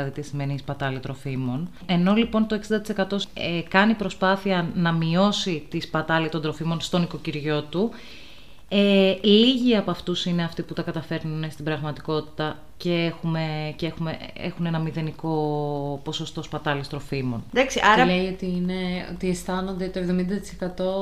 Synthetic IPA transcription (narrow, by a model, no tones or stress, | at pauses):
ɐðit̪isimenispɐt̪ɐlit̪ɾo̞fimo̞n | e̞no̞lipo̞nt̪o̞e̞ksind̪ɐt̪ise̞kɐt̪o̞ekɐnipɾo̞spɐθiɐnɐmio̞sit̪ispɐt̪ɐlit̪ond̪ɾo̞fimo̞nst̪o̞niko̞ciɾʝo̞t̪u | eliʝiɐpoɐft̪usine̞ɐft̪iput̪ɐkɐt̪ɐfe̞ɾnunst̪ibɾɐɣmɐt̪i̥ko̞t̪i̥t̪ɐ | ce̞exume̞cexumeḛxune̞nɐmiðe̞niko̞po̞so̞st̪o̞spɐt̪ɐlist̪ɾo̞fimo̞̰nd̪ɐksiʔɐɾɐleio̞t̪iine̞o̰t̪iest̪ɐno̞nd̪et̪oevðo̞mind̪ɐt̪i̥sekɐt̪o̞